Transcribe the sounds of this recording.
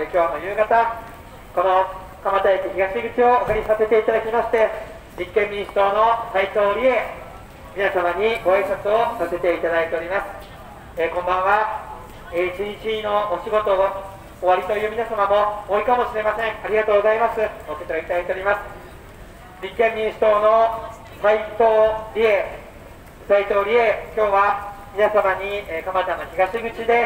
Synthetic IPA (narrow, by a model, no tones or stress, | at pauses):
ekʲo̞ːno̞jɯ̟ːɡat̪a | ko̞no̞ | kamat̪ajekʲiçiɡaɕiɡɯ̟t͡ɕio̞ːkaɾʲisase̞t̪e̞it̪ad̪akʲimaɕi̥t̪e̞ | ɲikːẽ̞mʲːiɲĩst̪ono̞sait̪o̞ːɾʲie̞ | mʲinasamaɲ̟iɡo̞aisãnt̪osase̞t̪e̞it̪ad̪ait̪e̞oɾʲimasɨ̥ | ekõ̞mbãɰ̃βa | eit͡ɕiɲit͡ɕino̞oɕiɡo̞t̪o̞ɡa | oβaɾʲit̪o̞jɯ̟mʲinasamamo̞oːɾʲikamo̞ɕiɾe̞masẽ̞ɴaɾʲiɡat̪oːɡo̞zaimasɨosekɾoit̪ad̪ait̪eɾʲimasɨ̥ | mʲĩŋkẽ̞ɲːʲĩɰ̃ɕt̪o̞ːno̞ | sait̪oːɾʲie̞ | sait̪o̞ːɾʲie̞kʲo̞ːβamʲinasamaɲ̟iekãmbat̪anoçiɡaɕiɡɯ̟t͡ɕid̪e̞